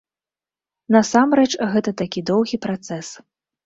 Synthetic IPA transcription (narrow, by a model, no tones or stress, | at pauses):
nɐsamɾɛt͡ʂɣɛt̪ɐt̪akʲid̪ɔwɣʲipɾat̪sɛs